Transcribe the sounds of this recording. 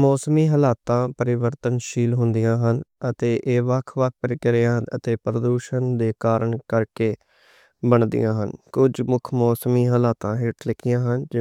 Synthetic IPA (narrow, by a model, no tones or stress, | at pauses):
mɔːsəmiːɦəlaːt̪ãːpəɾɪʋəɾt̪ənʃiːlɦʊnd̪ijãːɦənət̪eːʔeːʋəkʰʋək̚ʰpəɾɪkəɾeãːnət̪eːpɾəd̪uːʃənd̪eːkaːɾəɳkəɾkeː | bəɳd̪ḭjãːɦənkʊd͡ʒmʊkʰmɔːsəmiːɦəlaːt̪ãːɦɪʈʰlɪkʰɪjãːɦənd͡ʒ